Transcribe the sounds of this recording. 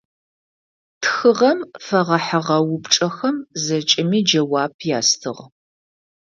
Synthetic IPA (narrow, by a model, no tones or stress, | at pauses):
tʰxɨʁɐmfɐʁɐħaʁɐwʊpʈ͡ʂʼɐxɐmzɐt͡ʃʼɪmiːd͡ʒɐwaːp̚ʰjaːstʰɨ̰ʁ